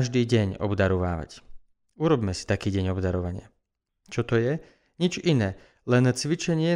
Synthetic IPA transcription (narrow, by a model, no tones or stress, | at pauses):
ʒd̪iːɟɛɲɔ̰bd̪aɾɔʋa̰ːʋa̰c | uɾɔbmɛsi̥t̪akiːɟɛɲɔbd̪aɾɔʋaɲɪa | t͡ʃɔt̪ɔjɛ | ɲit͡ʃinɛː | lɛnt͡sʋit͡ʃɛɲɪɛ